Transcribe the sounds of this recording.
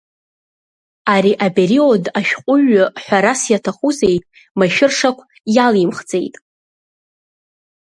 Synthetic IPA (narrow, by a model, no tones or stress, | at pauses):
aɾiʔapeɾiodaʃᶣqʼʊɥʊħʷᶣaɾasjatʰaχuzejtʼ | maʃᶣɪrʂakʷʰ | jalimχd͡ze̞̰jtʼ